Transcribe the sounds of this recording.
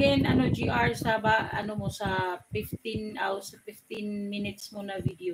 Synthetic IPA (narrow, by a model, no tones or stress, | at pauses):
ɛnʔɐnod͡ʒiʔaɹsabaʔɐ̰nomosafɪft̪ɪnʔawsafɪft̪ɪnminɪt̪̚smonɐvid̪o